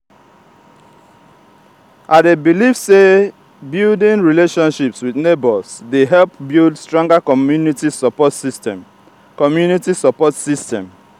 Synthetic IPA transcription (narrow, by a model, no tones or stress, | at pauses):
ʔadebilifse | bildĩnɹileʃɔ̃nʃipswiðnebɔsdeɦɛlp̚bildstɹɔ̃ŋɡakɔunitisɔpɔtsistɛ | kɔmjunitisɔpɔtsistɛ̰̃m